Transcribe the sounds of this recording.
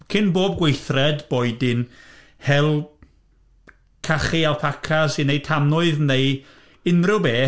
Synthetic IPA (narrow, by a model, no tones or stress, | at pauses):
kʰɪnboːb̚ɡweɨθrɛdboɨdɪn | hɛlˠ | kʰaχialˠpʰakʰasinejtʰamnʊɨðnej | ɪnrɪwbeː